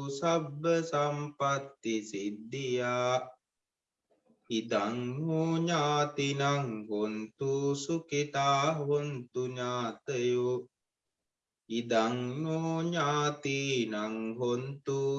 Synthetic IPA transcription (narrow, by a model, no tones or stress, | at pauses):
sabːəsampat̪ːisid̪ːijaː | id̪aŋnuɲaːt̪inaŋɦont̪usukit̪aːɦont̪uɲaːt̪əju | id̪aŋnoɲaːt̪inaŋɦont̪u